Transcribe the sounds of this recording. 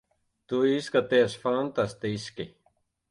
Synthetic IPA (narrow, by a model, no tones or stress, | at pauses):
t̪uiskat̪easfant̪ast̪eiske